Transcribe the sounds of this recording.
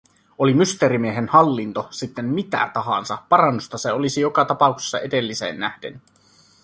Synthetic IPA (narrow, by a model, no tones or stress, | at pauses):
o̞limyst̪eɾimieɦenhɑlːint̪osit̪ːemmit̪æ̰t̪ɑɦɑ̰nsɑpɑrɑnːust̪ɑseo̞lisijo̞kɑt̪ɑpɑˑukse̥sːɑʔe̞de̞lːise̞̰ːnːæhd̥ḛny